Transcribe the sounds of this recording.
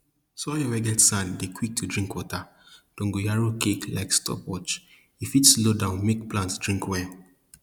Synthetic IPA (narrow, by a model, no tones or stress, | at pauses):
sɔjɔwɛɡɛtsãndekʰwik̚tʰudɹĩŋkwɔta | d̥ɔ̃ŋɡojaɹokekla̰ɪkstʰɔ̰pwɔt͡ʃ | ifitslodãʊ̃nmekplãntsd̥ɹĩŋkwɛ